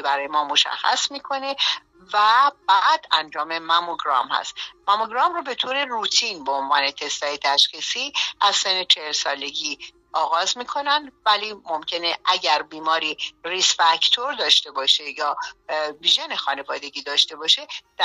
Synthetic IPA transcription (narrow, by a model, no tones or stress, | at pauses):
bæɾɒːjemɒːmo̞ʃæ̰xːæ̰smiːkʰo̞ne̞ | væb̥æd̪̥ænd͡ʒɒːme̞mæmoɡɾɒ̰mhæ̰st̪mæmoɡɾɒːmrɔbe̞t̪ʰoːɾe̞rut̪ʰinbeonvɒːne̞t̪ʰe̞st̪ɒːjet̪ʰæʃxisiːʔæz̥senːet͡ʃʰehelsɒːle̞ɟiː | ʔɒːɣɒːzmiːkʰo̞nænd̪væliːmo̞mcʰe̞ne̞ʔæɟæɾbiːmɒːɾiːrisfæct̪ʰoɾd̪ɒːʃt̪e̞bɒːʃe̞jɒːviʒene̞xɒːne̞vɒːd̪e̞ɟiːd̪ɒːʃt̪e̞bɒːʃe̞d̪̥æ